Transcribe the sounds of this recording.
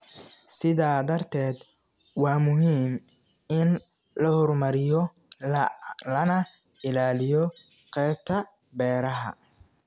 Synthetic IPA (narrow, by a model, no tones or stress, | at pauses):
sɪðaːd̪ɐrt̪ʰɛːd̪ | wɑːmʊɦiːm | ɪn | lɐhɔrmɐɾɪjɔ | lɐnɐ | ɪlaːlɪjɔ | qɛjb̚t̪ʰɐ | bɛːɾɐɦɐ̰